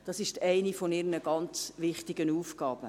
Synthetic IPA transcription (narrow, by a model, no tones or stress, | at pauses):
d̥ɑsɪʃtɛɪnifɔnɪɾnəɡɑnt͡sʋɪχtɪɡənuːfɡ̥ɑːb̥ə